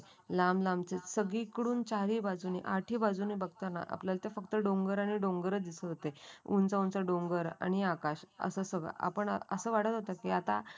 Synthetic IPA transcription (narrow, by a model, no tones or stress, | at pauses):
lamlamt͡sesəɡikɽuːnt͡ɕaɾiːbad͡zunḭʔaʈʰiːbad͡zunibəɡt̪ana̰ʔa̰pljalt̪efəkt̪əɖoŋɡəɾaɽ̃iɖõŋɡəɾət͡sd̪isəɦot̪eṵnt͡saunt͡saɖoŋɡəɾa̰ñiakaɕə̰səsəɡɭa̰ʔa̰pəɳəsəːʋaɽ̤ət̪ɦot̪akiat̪a